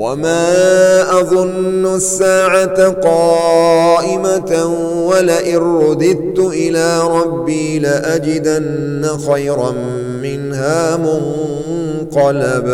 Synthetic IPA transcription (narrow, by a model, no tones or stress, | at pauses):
wamaːʔɑðˤʊnːʊsːaːʕat̪aqɑːʔɪma | walaʔɪnɾʊd̪ɪd̪̚t̪ʊʔɪlaːɾˤɑbːiːlaʔad͡ʒɪd̪anːaxajɾˤɑm | mɪnhaːmʊn | qɑlab